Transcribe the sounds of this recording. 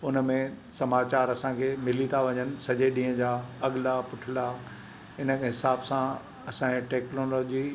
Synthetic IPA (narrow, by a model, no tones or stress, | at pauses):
ʊnə̆mẽsɐmaːt͡ɕaːɾɐsãkʰeːmɪlit̪ʰaʋɐɲənɪ̆sɐʄeɗĩːɦə̃d͡ʑaːɐɠɪlapʊʈʰɪlaː | ɪnəkɦɪsaːbsã | ɐsãʈeːknoːloːd͡ʑi